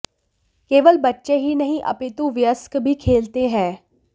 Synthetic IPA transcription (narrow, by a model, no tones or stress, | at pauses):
keːʋəlbətːʃeɦinɐɦĩʔɐ̰pɪt̪ũʋjəskbʱikʰeːlt̪eɦɛ̃ː